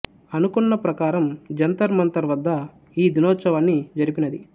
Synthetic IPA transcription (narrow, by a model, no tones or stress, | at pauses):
ɐnukunːɐpɾɐkaːɾɐmd͡ʒɐnt̪ɐɾmɐnt̪ɐɾʋɐd̪ːɐ | iːd̪inɔːt̪sɐʋaːnːid͡ʒɐɾipinɐd̪i